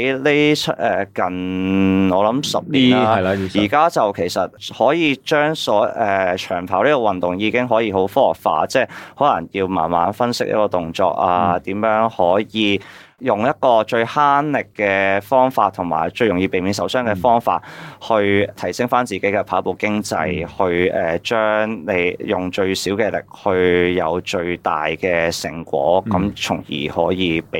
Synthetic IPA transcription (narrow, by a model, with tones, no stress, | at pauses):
le˥t͡ʃʰt̚ʔɛː˨˩kɐ˨˩n | ɔː˨˧lɐ˨˥msɐ˨p̚liː˨˩aː˥˧˨jiː˨˩kaː˥t͡sɐ˨wkʰe˨˩jsɐ˨t̚hɔː˨˥jiː˨˧t͡ʃœː˥ŋsɔː˨˥ɛː˨t͡ʃʰœː˨˩ŋpʰaː˨˩wli˥kɔː˧wɐ˨nt̪ʊ˨ŋjiː˧kɪ˥ŋɦɔː˨˥jiː˧ɦo˨˥wfɔː˥ɔ̰˨˩k̚fa̰ː˧t͡sɛː˥˩hɔː˨˥lɐ̰˨˩ŋjiː˧wma̰ː˨˩nma̰ː˨˥nfɐ˥nsɪ˥k̚jɐ̰˥tkɔː˧t̪ʊ˨ŋt͡ʃɔ̰ː˧k̚a̰ː˧t̪iː˨˥mjœː˨˥ŋhɔː˨˥jiː˨˧ | jʊ˨ŋjɐ˥t̚kɔː˧t͡ʃɵ˧ɥhaː˥nlɪ˨kːɛː˧fɔː˥ŋfaː˧t̪̚ʰːʊ˨˩ŋma̰ː˨˩jt͡ʃɵ˧ɥjʊ˨˩ŋjiː˧pe˨jmiː˨˥nsɐ˨˥wsœː˥ŋkɛː˧fɔː˥ŋfa̰ː˧t̚hɵ˧ɥt̪ʰɐ˨˩jsɪ˥ŋfaː˥nt͡siː˨ke˨˥jkɛ˧pʰaː˨˥po˨˩wkɪ˥ŋt͡sɐ˧jhɵ˧ɥɛː˨t͡ʃœː˥ŋne˨˧jjʊ˨ŋt͡ʃɵ˧ɥsiː˨˥wkɛː˧lɪ̰˨k̚hɵ˧ɥjɐ˨˧wt͡ʃɵ˧ɥt̪a̰ː˨jkɛː˧sɪ̰˨˩ŋkʷwɔ̰ː˨˥kɐ˨˥mt͡sʰʊ˨˩ŋjḭː˨˩hɔ̰ː˨˥jiː˨˧p